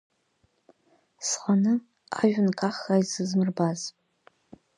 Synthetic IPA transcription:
sqʼanɨ | a̰ʒʷᶣʊnkʰaχajzɨzmɨrbaz

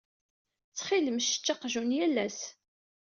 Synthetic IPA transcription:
t͡sːχiləmʃə̥t͡ʃːɑqʒunjælːæs

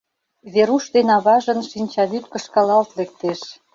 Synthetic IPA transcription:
βeɾuʃd̪enɑβɑʒə̆nʃinʲt͡ɕɑβyt̪̚kə̆ʃkɑlɑlt̪lek̚t̪eʃ

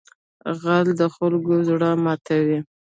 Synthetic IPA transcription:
ɣald̪əxʊlɡozɽəmɑt̪ʰawi

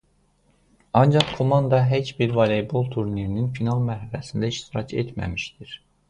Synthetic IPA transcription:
ɑnd͡ʒɑχkʰomɑnd̪ɑɦet͡ʃbiɾvɑlebolˠt̪ʰuɾniɾininfinɑlˠmæɾhælæsind̪æiʃt̪iɾɑcʰḛt̪ʰmæ̰miʃt̪iɾ̥

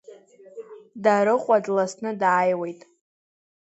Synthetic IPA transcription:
daɾɨqʷʼadlasnɨdaːjwejtʼ

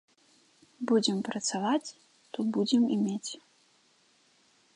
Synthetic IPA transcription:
bud͡zʲɛmpɾɐt̪savat͡sʲ | t̪ɔbud͡zʲɛmimʲet͡sʲ

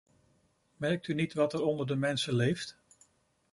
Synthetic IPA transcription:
mɛɹk̚tynitʋɑtɛɾɔndəɹdəmɛnsəlejft

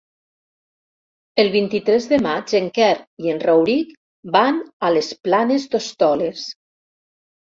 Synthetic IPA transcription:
elˠβint̪it̪ɾɛzðemad͡ʒeŋkɛɾienrawɾik | banalesplanezd̪ost̪ɔles

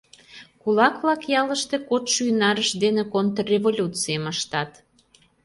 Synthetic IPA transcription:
kulɑkβlɑkjɑləʃt̪ekot̪ʃynɑɾəʃd̪enekont̪rrʲevolʲut̪t͡sijəməʃt̪ɑt̪

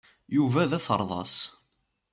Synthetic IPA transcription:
juvæðæθə̰ɾˤðˤɑ̰s

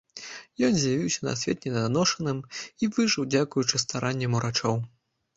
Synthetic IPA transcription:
jɔnzʲjavʲiwsʲɐna̰sʲvʲɛt̪̚nʲɛd̪ɐd̪anɔʂɐnɨmivɨʐɨwd͡zʲakujut͡ʂɨst̪aɾʔanʲːɛmuɾʔat͡ʂɔw

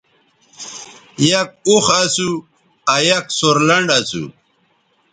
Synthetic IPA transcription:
jɐk̚uxasu | ajɐksoɾlɐɳɖasṵ

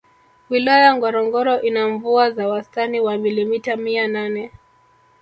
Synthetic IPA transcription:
wilajaŋɡɔɾɔŋɡɔɾɔʔinaɱvuazawastaniwamilimitamiananɛ

